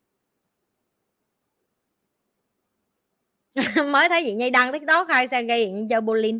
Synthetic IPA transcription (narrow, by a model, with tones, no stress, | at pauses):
məː˨˦jt̪ʰə˨˦jzḭ˧˨ɲə˧jɗa˧ŋt̪ʰi˦˥k̚t̪o˦˥k̚haː˧jsɛ˧ɣə˧jḭ˧˨nɲi˧t͡ɕəː˧ɓo˧li˧n